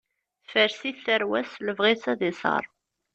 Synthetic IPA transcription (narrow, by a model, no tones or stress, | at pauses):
fəɾsiθθəɾwæsləvʁisæðɪsˤɑ̰ɾˤ